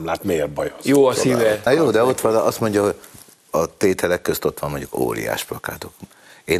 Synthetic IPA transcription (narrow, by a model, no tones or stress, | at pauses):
mlaːt̪merbɒjojoːɒsivɛnjoːd̪ɛo̞t̪ːʋɒlɒst̪mo̞ɲɟɒɦo̞ɟ | ɒt̪eːt̪ʰɛlɛkːøst̪o̞t̪ʋɒmoɲɟuko̰ːɾḭja̰ːʃplɒka̰ːt̪ok | eː